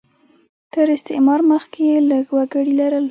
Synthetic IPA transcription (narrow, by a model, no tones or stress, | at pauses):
t̪əɾɪst̪ɪʔmɑɾməxkeləɡwaɡəɽilaɾəl